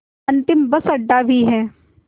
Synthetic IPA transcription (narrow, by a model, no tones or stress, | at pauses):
ɐ̃nt̪ɪmbɐsɐɖːabʱiɦɛ̃ː